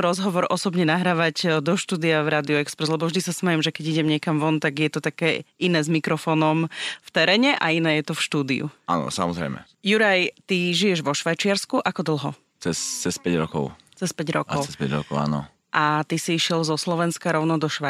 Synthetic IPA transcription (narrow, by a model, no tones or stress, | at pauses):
ɾɔzɦɔʋɔɾɔsɔbɲɛnaɦɾaːʋaɟd̪ɔʃt̪uːd̪iavɾaːd̪iuɛkspɾɛzlɛbɔvʒd̪isasmɛjɛmʒɛkɛɟiɟɛmɲɛkamʋɔnt̪aɡjɛt̪ɔt̪akɛːinɛːzmikɾɔfɔːnɔmft̪ɛɾɛːɲɛʔainɛːjɛt̪ɔfʃt̪uːd̪iṵa̰nɔ̰samɔzɾɛ̰jmɛ̰ | juɾajt̪iʒijɛʒʋɔʃʋajt͡ʃɪaɾskuʔakɔd̪l̩ˠɦɔ | t͡sɛst͡sɛspɛɟɾɔkɔ̰ʊ | t͡sɛspɛɟɾɔ̰kɔʊɛspɛ̰ɟɾɔ̰kɔʊa̰ːnɔ̰ | ʔat̪isiiʃɪɛlzɔslɔʋɛnskaɾɔʊnɔd̪ɔʃʋa